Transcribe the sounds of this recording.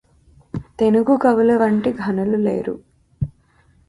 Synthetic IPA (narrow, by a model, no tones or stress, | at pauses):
t̪e̞nuɡukɐʋulɐʋɐɳʈiɡʱɐnɐlulḛːɾṵ